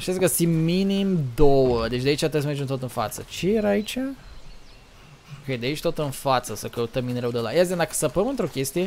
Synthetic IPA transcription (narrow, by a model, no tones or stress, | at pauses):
ʃt̪ʲasɡəsiminimd̪owəd̪et͡ʃʲd̪ait͡ʃʲat̪ɨs̬merd͡ʒet̪ot̪ɨnfa̰t̪sət͡ʃe̞jeɾaaːit͡ʃʲa | kejd̪eait͡ʃt̪o̞t̪ɨnfat̪səsəkəut̪əmːineɾewd̪ela̰jazend̪akə̥sapəmɨnt̪ɾo̞kʲe̞st̪ije